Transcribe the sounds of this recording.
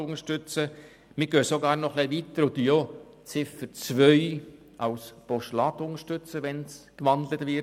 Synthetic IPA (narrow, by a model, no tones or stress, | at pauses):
ʊŋəʃtʏt͡sə | mɪɡ̥øːsoɡɑːɾnɔχliʋiːt̪əɾʊd̪io | t͡sɪfət͡sʋœʏ | ʔɑwspɔʃlɑt̪ʊŋəʃtʏt͡səʋɛnskʋɑnd̪lətʋɪ